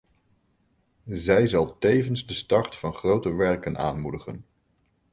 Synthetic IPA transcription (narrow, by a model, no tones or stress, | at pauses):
zɛjzɑlˠtejvənzdəstɑrtfɑnχrowtəʋɛɹkəna̰ːnmudəχən